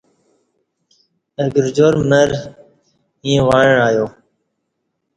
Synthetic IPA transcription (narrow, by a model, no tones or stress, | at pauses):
eːɡɪɾd͡ʒoːɾmeːɾ | ĩːẽːʋaːɳəɳaːjoː